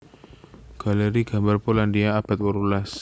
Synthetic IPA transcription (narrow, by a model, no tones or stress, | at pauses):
ɡ̥a̤leɾiɡ̥a̤mbarpolandiaːb̥a̤t̪̚wəɾulas